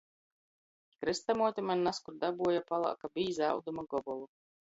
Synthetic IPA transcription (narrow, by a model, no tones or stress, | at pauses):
kɾɨst̪amuɔt̪ʲimanːaskuɾd̪abuɔjapalˠa̰kabiːza̰wd̪umaɡɔbɔlˠu